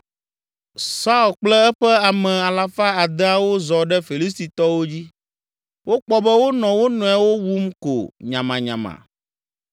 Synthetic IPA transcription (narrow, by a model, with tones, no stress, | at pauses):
sa˦u˦˨lk͡plɛ˦ɛ˦ɸɛ˦a˨mɛ̃˨a˨la˨fa˦a˨d̪ɛ˦a˨wo˦zɔ˨ɖɛ˦fi˨li˦s̬t̪i˨t̪ɔ˦wo˦d͡ʑi˦ | wo˦k͡pɔ˦bɛ˦wo˦nɔ̃˨wo˦nɔ̃˨˦a˨wo˦wu˦mko̰˨ɲã˨mã˨ɲã̰˨mã̰˨